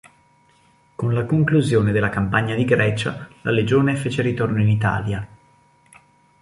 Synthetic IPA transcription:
konlakoŋkluzjoːned̪elːakampaɲːad̪iɡɾɛːt͡ʃa̰la̰led͡ʒoːnefeːt͡ʃeɾit̪ornoinit̪a̰ːlja

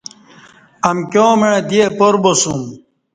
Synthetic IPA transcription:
ɐmkʲjõːmeɻẽd̪iepoɾbosum

